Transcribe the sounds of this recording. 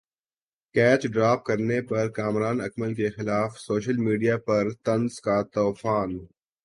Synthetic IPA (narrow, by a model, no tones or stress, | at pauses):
kɛːt͡ʃɖɾaːp̚kɐɾnepɐɾkaːmɾaːnɐkməlkexɪlaːfsoːʃəlmiːɖijapɐɾt̪ɐnzkat̪ɔːfaːn